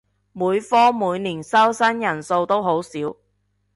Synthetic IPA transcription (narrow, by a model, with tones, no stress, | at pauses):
muː˨˧jfɔː˥muː˨˧˥jniː˨˩nsɐ˥wsɐ˥njɐ˨˩nso˧wt̪o˥wɦo˨˥wsiː˨˥w